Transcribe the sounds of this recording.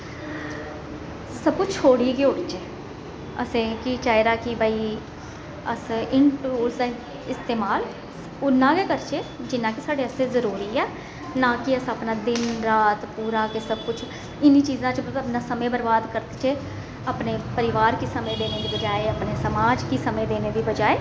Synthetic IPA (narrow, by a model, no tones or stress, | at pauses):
səb̚kʊt͡ʃʰoːɽiːɡioːɽit͡ʃe | ə̰sẽːkit͡ʃaːeɾaːkɪbaiː | əsɪɳʈuːɾsd̪a | ɪst̪eːmaːl | ʊnːãːɡeːkəɾt͡ʃʰeːd͡ʒɪnːãːkisaːɖeːəseːzəɾuːɾiːɛː | nãːkɪəsaːpnãːd̪ɪnɾaːt̪puːɾãːkesəb̚kʊt͡ʃʰ | ɪniːt͡ʃiːzãːt͡ʃːpnãːsəmẽːbəɾbaːd̪kəɾt̪t͡ʃeː | aːpneːpəɾɪʋaːɾkisəmẽːd̪eːneːd̪iːbəd͡ʒaːeːəpneːsəmaːd͡ʒkisəmẽːd̪eːneːd̪iːbəd͡ʒaːeː